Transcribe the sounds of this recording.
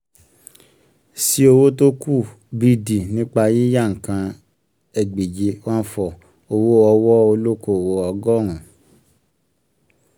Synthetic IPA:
si˦o˧wo˦t̬o˦ku˦˨ | bi˧di˨nĩ˦k͡pa˧ji˦ja˦˨ŋ̩˨kã˧ | ɛ˨ɡ͡be˨d͡ʒe˧wã˦fɔ˧˨ | o˧wo˦ɔ˧wɔ˦o˧lo˦ko˦˨wo˧ɔ˧ɡɔ˦˨ɾ̃ũ˨

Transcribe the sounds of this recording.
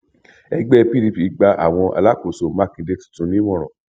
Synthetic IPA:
ɛ˧ɡ͡bɛ˦˧pi˦ɾi˧pi˨˦ɡ͡ba˧ʔa̰˨w̃ɔ̃˧ʔa̰˧la˦ko˨so˨mã˦kĩ˧de˧˦ti̥˨tũ˨˦nĩ˦mɔ̃˦˨ɾɔ̃˨

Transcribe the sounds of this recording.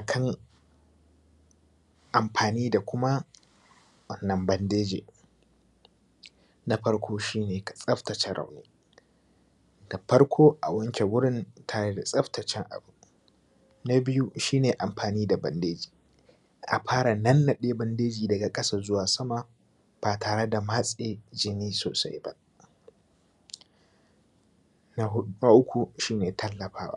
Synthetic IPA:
ʔa˨kʰɐ˦ŋ | ʔa˨mɸʰaː˨niː˦da˨kʷʊ˦ma˦ | wɐ˦nːɐ˨mbɐ˦ndeː˦d͡ʒḛː˨ | na˨ɸɐ˦ɽkʷʰoː˦ʃiː˦neː˨ka˨sʼɐ˦ɸtɐ˨t͡ʃɛ˨ɽʔa̰˨wneː˦ | da˨ɸɐ˦ɾkʷʰoː˦ʔa̰˨wɐ˦ŋkʲe˨wʊ˦ɽɪ˦ntʰa˦ɽe˦da˨sʼɐ˦ɸtɐ˨t͡ʃɛ˦ŋʔa̰˨bu˨ | na˦bɪ˦ju˦ʃiː˦neː˨ʔa˨mɸaː˨niː˦da˨bɐ̰˨ndeː˦d͡ʒi̥ː˨ | ʔa̰˨ɸaː˦ɽa˨nɐ˦nːɐ˨ɗeː˦bɐ˦ndeː˦d͡ʒiː˨dɐ˨ɡa˨kʼɐ˦sa˦zʊ˦waː˨sɐ˦ma˨ | b̥aː˨tʰaː˨ɽe˦da˨ma˦sʼeː˦d͡ʒɪ˨niː˦so̰ː˨sa̰˦jbɐ̰˦ | na˦ɦʊ˦ɗna˦ʔʊ˦kʷu˨ʃiː˦neː˨tʰɐ˦lːɐ˨ɸa̰ː˦wa̰˦

